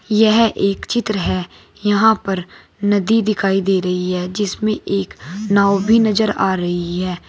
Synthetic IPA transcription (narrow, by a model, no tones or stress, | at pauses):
jɛɦʔeːkt͡ʃɪt̪ɾəɦɛː | jəɦãːpəɾ | nəd̪iːd̪ɪkʰaːid̪eːɾəɦiɦɛːd͡ʒɪsmẽːʔeːknaːobʱiːnəzəɾaːɾəɦiɦɛː